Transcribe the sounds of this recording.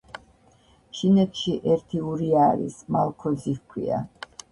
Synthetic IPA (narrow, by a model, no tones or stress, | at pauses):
ʃinɛt̪ʰʃiʔɛɾt̪ʰiuɾiaːɾḭsmalˠkʰɔzihkʰwḭa̰